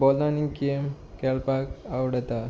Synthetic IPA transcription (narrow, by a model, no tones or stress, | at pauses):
bɔlnanikem | kɛlpakawɽɛt̪a